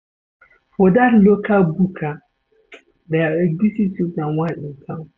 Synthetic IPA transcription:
fɔdatlokʰalbukʰa | dɛaɛɡzisitʰivãwãɪ̃kʰãm

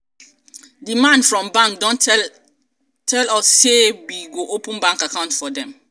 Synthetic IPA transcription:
dimãndfɹɔ̃mbãŋk̚dɔ̃n | tʰɛlɔssebiɡoʔopʰũmbãŋkakʰãʊ̃ntfɔdɛ̃m

